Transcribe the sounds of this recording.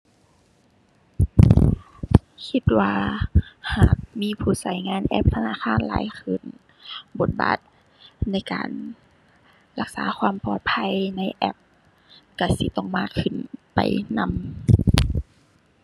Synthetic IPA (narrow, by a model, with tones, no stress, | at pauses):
kʰi˧t̪̚waː˧haː˨˩k̚miː˧˥˨pʰuː˧˩sa˧˦˩jŋaː˧˥˨nʔɛ̰˧˥p̚t̪ʰa˧naː˧˥˨xʰaː˧˥˨nla̰ː˨˦jxʰɯ˧˩n | bo˨˦t̪̚ba̰ː˨˩t̪̚ | na˧˥˨jka̰ː˨˩n | la˧k̚sa̰ː˨˦xʰwaː˧˥˨mpɔː˧˨˩t̪̚pʰa˧˥˨jna˧˥˨jʔɛ̰˧˩p̚ | ka˧˩sḭ˧˦t̪ɔ˧˩˨ŋmaː˧˩kʰːɯ˧˩npa̰˨˩jna˧˥m